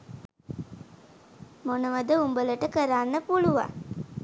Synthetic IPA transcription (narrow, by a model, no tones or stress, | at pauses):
monəʋəd̪əumbələʈəkəɾaːnːəpuluʋa̰